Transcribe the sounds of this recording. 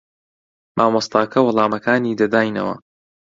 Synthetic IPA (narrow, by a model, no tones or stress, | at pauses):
mʔaːmɐst̪aːkʰɐwʊlˠaːmɐkʰaːniːd̪ɐd̪aːjnɐ̰wɐ̰